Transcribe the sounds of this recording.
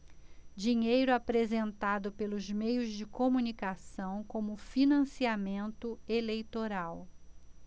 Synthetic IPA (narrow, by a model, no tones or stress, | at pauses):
d͡ʒiɲejɾʊapɾezẽnt̪ad̪ʊpelʊzmejʊzd͡ʒɪkomunikasɐ̃w̃kõmʊfinɐ̃siamẽnt̪ʊelejt̪oɾaw